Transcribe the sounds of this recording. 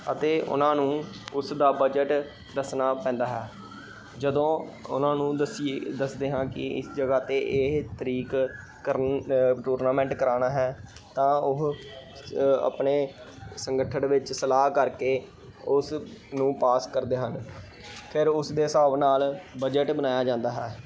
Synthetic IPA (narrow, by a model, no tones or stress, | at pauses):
ət̪eːʔʊ̰nãːnũːʊsd̪aːbəd͡ʒəʈ | d̪əsnaːpɛ̃ːnd̪aːɦɛː | d͡ʒəd̪õːʊ̰nãːnũːd̪əsied̪əsd̪eːɦãːkɪ̰ɪ̰sd͡ʒəɡaːt̪eːʔɪɦt̪əɾiːk | kəɾʈuːɾnaːmɛ̃ːɳʈkəɾaːnaːɦɛː | t̪ãːʊɦ | ə̰pneː | səŋɡəʈʰəɳʋɪt͡ʃsəlaːɦkəɾkeː | ʊsnũːpaːskəɾd̪eːɦən | pʰɪɾʊsd̪eːsaːʋnaːlbəd͡ʒəʈbənaːjaːd͡ʒãːnd̪aːɦɛː